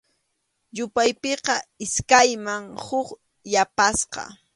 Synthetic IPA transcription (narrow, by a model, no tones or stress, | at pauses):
jʊpajpeqɑɪskajmaŋhʊk | japasqɑ̰